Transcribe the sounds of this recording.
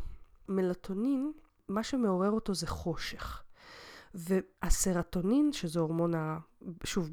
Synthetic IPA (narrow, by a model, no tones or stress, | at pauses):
me̞lat̪ʰo̞nin | maʃeme̞o̞ʁe̞ʁo̞to̞zeχo̞ʃeχ | veaseʁato̞ninʃezeoʁmo̞naʃuv